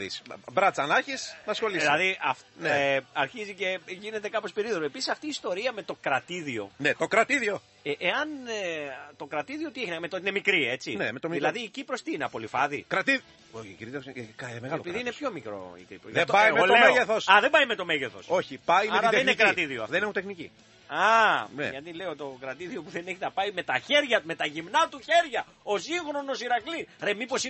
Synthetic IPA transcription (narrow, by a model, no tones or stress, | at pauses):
isbɾɐt͡sɐnɐçisnɐsxo̞lislɐðiɐfneɐɾçizice̞ʝine̞t̪e̞kɐpo̞speɾiðoɾoe̞pisisɐft̪iːst̪o̞ɾiɐme̞t̪okɾɐt̪iðio̞̰net̪o̞kɾɐt̪iðio̞ | eʔeɐn | t̪o̞kɾɐt̪iðioot̪ieçinɐmet̪ot̪ine̞mikɾie̞t͡sinemet̪omðilɐðiːcipɾost̪iːneɐpo̞lifɐðikɾɐt̪i | oçiciɾit̪eskmeɣɐllpiðiinepço̞mikɾo̞̰ḭkɾipoðɐebɐimeolomeʝeθosɐðe̞bɐjmet̪o̞me̞ʝeθo̞̰so̞çipɐimeɐðeninekɾɐt̪iðioɐfðenineut̪enicḭ | ɐnḛʝɐt̪ile̞ot̪o̞kɾɐt̪iðio̞puðe̞ne̞çit̪ɐpɐime̞t̪ɐçe̞ɾʝɐt̪ume̞t̪ɐʝimnɐt̪uçe̞ɾʝɐ | o̞siŋxɾo̞no̞siɾɐkliɾemipo̞si